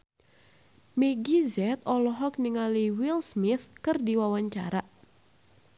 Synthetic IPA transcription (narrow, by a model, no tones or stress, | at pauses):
meɡizɛt̪ɔlɔɦɔkniŋaliwilsmiθkɨrdiwawaɲt͡ʃa̰ɾa